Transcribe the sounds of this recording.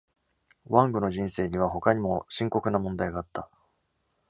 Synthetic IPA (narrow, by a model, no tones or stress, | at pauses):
βãŋɡɯ̟no̞ʑĩɰ̃se̞ːɲ̟iβ̞aɦo̞kaɲ̟imo̞ɕĩŋko̞kɯ̟namõ̞nd̪aiɡaːt̪ːa